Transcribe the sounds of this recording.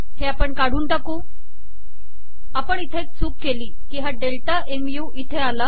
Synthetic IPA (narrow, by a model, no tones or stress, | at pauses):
heapəɳkaɽ̤uːnʈakuː | apəɳit̪ʰet͡suːp̚keliːkiːɦaɖelʈaʔemjuːʔit̪ʰeala